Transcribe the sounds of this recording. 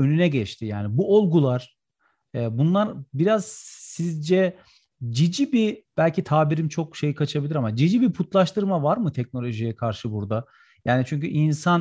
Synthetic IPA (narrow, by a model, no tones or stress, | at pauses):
ø̞nynɛɟɛt͡ʃt̪ʰijaːnibuo̞lˠɡulˠaɾ̥ | ɛːbunlˠaɾbiɾaz̥sizd͡ʒɛ | d͡ʒid͡ʒibib̥ælʲcit̪ʰaːbiɾimt͡ʃʰo̞kʃe̞jikʰat͡ʃʰabilʲiɾamad͡ʒid͡ʒibipʰut̪lˠaʃt̪ʰɯɾmavaɾmɯt̪ʰɛc̚no̞lʲo̞ʒijɛkʰaɾʃɯbuɾd̪a | jaːnit͡ʃʰyɲcyʔinsan